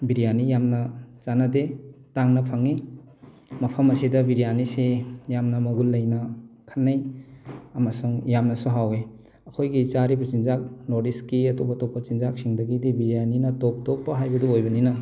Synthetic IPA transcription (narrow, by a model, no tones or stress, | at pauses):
biɾijanijamnɐt͡ʃanadetaŋnɐpʰaŋi | mɐpʰɐmɐsidɐbiɾijanisejamnɐmɐɡulːɐjnɐkʰanːɐj | ɐmasuŋjamnɐsuɦawe | ɐkʰojɡit͡ʃaɾibut͡ʃinzak̚noɾdiskiɐtopɐtopːɐt͡ʃinzak̚siŋdɐɡidibiɾijaninɐtop̚topːɐɦajbɐduojbɐninɐ